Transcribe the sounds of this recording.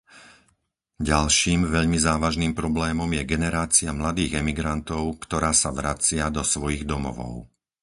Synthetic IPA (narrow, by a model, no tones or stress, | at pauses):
ɟalʃiːmʋɛʎmizaːʋaʒniːmpɾɔblɛːmɔmjɛɡɛnɛɾaːt͡siamlad̪iːɣɛmiɡɾant̪ɔʊkt̪ɔɾaːsaʋɾat͡sɪad̪ɔsʋɔjiɣd̪ɔmɔ̰ʋɔ̰ʊ